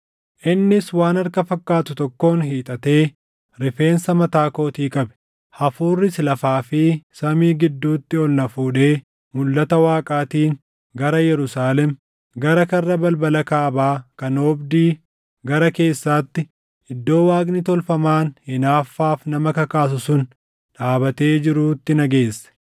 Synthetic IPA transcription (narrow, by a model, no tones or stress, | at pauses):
ʔɪnːɪswaːnɐɾkɐfɐkːaːt̪ʊt̪ɔkːo̞ːnɦiːt̪ʼɐt̪e̞ː | ɾɪfe̞ːnsɐmɐt̪aːko̞ːt̪iːkʼɐbɛ̥ | hɐfuːrːɪslɐfaːfɪsɐmiːɡɪd̪ːuːt̪ːɪɔlnɐfuːᶑe̞ː | mʊlːɐt̪ɐwaːkʼaːt̪iːn | ɡɐɾɐjɛɾʊsaːlɛm | ɡɐɾɐkɐrːɐbɐlbɐlɐkaːbaːkɐnoːbd̪iː | ɡɐɾɐke̞ːsːaːt̪ːɪ | ʔɪd̪ːo̞ːwaːɡnɪt̪ɔlfɐmaːnhɪnaːfːaːfnɐmɐkɐkaːs̬ʊsʊn | ᶑaːbɐt̪e̞ːd͡ʒɪɾuːt̪ːɪnɐɡe̞ːsːɛ̥